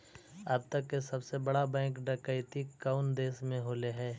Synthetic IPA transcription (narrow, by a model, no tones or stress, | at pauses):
əb̚t̪əkːesɐbsebɐɽabɛ̃ːkɖəkəɪt̪ikaʊnd̪eːsmẽɦoːleɦɛː